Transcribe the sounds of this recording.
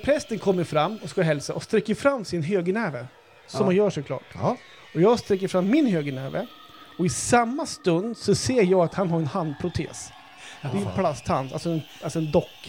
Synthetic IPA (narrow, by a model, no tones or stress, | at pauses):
pʰɾɛst̪ənkʰɔmːəɾfɾamːɔskaɦɛlsaʔɔst̪ɾɛkːəɾfɾamːsɪnɦøːɡənɛːvə | sɔmhanjœːʂɔkʰlɑ̰ːʈ | ɔjɑːɡst̪ɾɛkːəɾfɾamːɪnhøːɡənɛːvə̰ | ɔɪsamːast̪ɵnd̪sɔseːɾjɑːɡat̪hanɦaɾɛnhand̪̚pʰɾʊt̪ʰḛːs | d̪ɪpʰlast̪hana̰lsɔɛn | alsɔɛnd̪ɔkː